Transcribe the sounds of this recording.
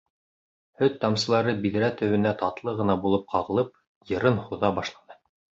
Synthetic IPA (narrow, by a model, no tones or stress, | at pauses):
hɵt̪t̪ːɑmsɤ̆lˠɑɾɤbiðɾæt̪ɵ̆wɘ̆næt̪ɑt̪lˠɤʁɤ̆nɑbulˠɤp̚qɑʁɤ̆lˠɤp̚ | jɤ̆ɾɤnhuðɑbɑʃlˠɑnɤ